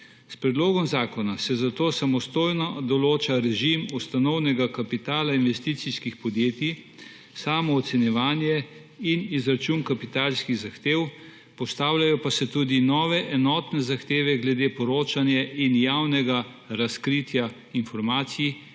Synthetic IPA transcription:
spɾɛd̪loːɡɔmzaːkɔnasɛzat̪oːsamɔst̪oːjnɔd̪ɔloːt͡ʃaɾɛʒimust̪anɔwnɛɡakapit̪aːlainʋɛst̪iːt̪siskixpɔd̪jeːt̪i | saːmɔːt̪sɛnjɛʋaːnjɛ | inizɾat͡ʃuːnkapit̪aːlskiɣzaxt̪eːw | pɔst̪aːwlʲajɔpasɛt̪uːd̪inɔːʋɛʔɛnɔːt̪nɛzaxt̪eːʋɛɡlɛd̪eːpɔɾoːt͡ʃanjɛʔinjawnɛɡa | ɾaskɾit̪ja | infɔɾmaːt̪siji

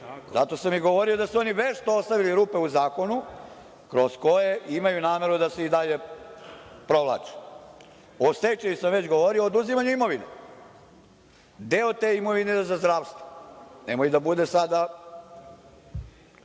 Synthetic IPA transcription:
zat̪o̞samiɡo̞ʋo̞ɾio̞d̪asuo̞niʋeʃt̪oost̪aʋiliɾuːpe̞uzaːko̞nu | kɾo̞sko̞jeʔimajunaːme̞ɾud̪aseid̪aʎe̞ | pɾo̞ʋlˠa̰ːt͡ʃe̥ | ost̪et͡ʃejusamʋe̞t͡ɕɡo̞ʋo̞ɾioːd̪uzimaɲuimo̞ʋinḛ | d̪eot̪eːimo̞ʋinezazd̪ɾaʋst̪ʋonḛmojud̪abud̪e̞sad̪a

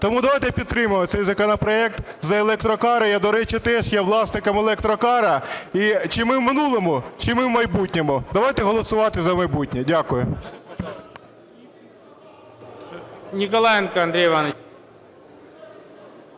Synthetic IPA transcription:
t̪ɔmud̪ɐʋɑjt̪ɛpʲid̪̚t̪ɾɪmʊmɪt̪sɛjzɐkɔnɔpɾɔɛk̚t̪ | zɐelˠɛk̚t̪ɾɔkɑɾɐjɐd̪ɔɾɛt͡ʃɪt̪ɛʃjɛʋlˠɑsnɪkɐmelˠɛk̚t̪ɾɔkɑɾɐit͡ʃɪmɪwmɪnulˠɔmʊt͡ʃɪmɪwmɐjbutʲnʲemʊd̪ɐʋɑjt̪ɛɦɔlˠɔsʊʋɑt̪ɪzɐmɐjbutʲnʲɛdʲakʊjʊ | nʲikɔlˠɛjnkɐɐnd̪ɾʲejʋɑne

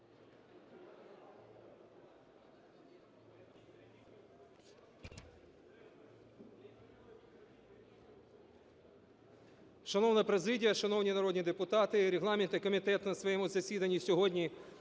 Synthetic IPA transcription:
ʃɐnɔwnɐpɾezɪdʲijɐʃɐnɔwnʲinɐɾɔd̪nʲid̪epʊt̪ɑt̪ɪɾeɦlˠɑmʲɪnt̪ɪkɔmʲit̪ɛt̪nɐsʋɔjɛmuzɐsʲid̪ɐnʲːisʲɔɦɔdʲnʲi

